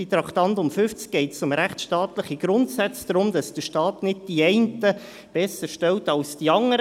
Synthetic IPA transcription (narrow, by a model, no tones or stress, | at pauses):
it̪ɾɑktɑntʊmfʏft͡sk̚ɡ̥ɛɪtsʊmɾɛχtʃtɑːtləχiɡ̥ɾʊntsæt͡sdɾʊmd̥ɑsd̥əʃtɑːtnɪd̚d̥iɛɪntə | b̥ɛsəɾʃtɛltɑlsd̥iɑŋəɾ